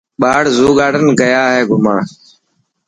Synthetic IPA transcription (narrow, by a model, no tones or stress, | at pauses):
ɓaːɽzuːɠaːɽənɡəjaːɦeːɡʊməɳ